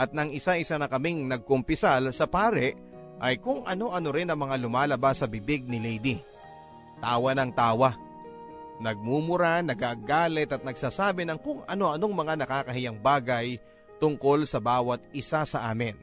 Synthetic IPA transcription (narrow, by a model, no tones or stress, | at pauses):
ʔɐt̪̚nɐŋɪsaʔɪsanɐkɐmiŋnɐɡ̚kʊmpɪsalsɐpaːɾɛʔ | ʔɐjkʊŋʔɐno̞ʔɐno̞ɾɪnɐŋmɐŋalʊmaːlɐbasːɐbɪbɪɡ̚nɪlɛjd̪i | t̪aːwɐnɐŋt̪aːwa | nɐɡ̚mumʊɾanɐɡaɡaːlɛt̪ɐt̪̚nɐɡ̚saːsaːbɪnɐŋkʊŋɐno̞ʔɐno̞ŋmɐŋanɐkaːkɐɦɪjaŋbaːɡɐj | t̪ʊŋko̞lsɐbaːwɐt̪̚ɪsasɐʔaːmɪn